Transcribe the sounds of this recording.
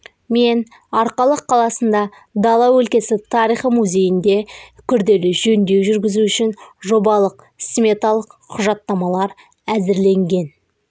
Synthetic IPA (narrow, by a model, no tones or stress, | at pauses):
me̞n | ɑɾqɑlˠəqʰːɑlˠɑsənd̪ɑ | d̪ɑlˠɑwɵlkʲe̞sɪt̪ʰɑɾijχimuzʲe̞jɪnd̪e̞kʲʰʏɾd̪e̞lɪʒɵnd̪e̞wʒʏɾɡʲɪzuʏʃɪnʒo̞bɑlˠəq | smʲe̞t̪ɑlˠəqqʰːʊʒɑt̪ːɑmɑlˠɑɾ | æzɪɾle̞ŋɡʲe̞n